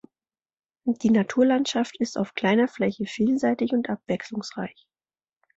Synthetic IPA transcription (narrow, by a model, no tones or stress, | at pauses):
d̥iːnatʰuːɐlantʃaftɪsta̰ʊfkl̥aɪnɐflɛçəfiːlzaɪtɪçʊntʔapv̥ɛkslʊŋsʁ̥a̰ɪç